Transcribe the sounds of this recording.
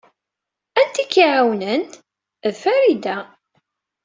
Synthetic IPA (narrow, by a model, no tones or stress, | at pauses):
ænt̪ːikːiʕawnən | ðfæɾid̪æ